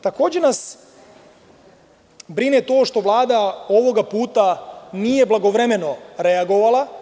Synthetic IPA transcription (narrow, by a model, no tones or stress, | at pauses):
t̪ako̞ːd͡ʑenas | bɾinet̪o̞ːʃt̪o̞ʋlˠaːd̪ao̞ʋo̞ɡapuːt̪anije̞blˠaɡo̞ʋɾeme̞no̞ɾeaɡo̞ʋala